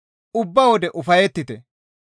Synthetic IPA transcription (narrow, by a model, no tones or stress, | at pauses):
ʊbːɐwɔd̪ɛʔʊfɐjɛt̪ːɪt̪ɛ